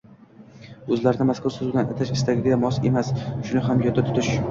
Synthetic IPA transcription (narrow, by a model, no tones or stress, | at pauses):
ɵzlaɾɪnɪmaskʰʊɾˠsʊzd̪ʲanat̪ʰaʃɪst̪aɡʲɪɡʲɪd̪amɒse̞masʃʊnɪɦamjɒd̪ːat̪ʰʊ̥t̪ʰɪʃ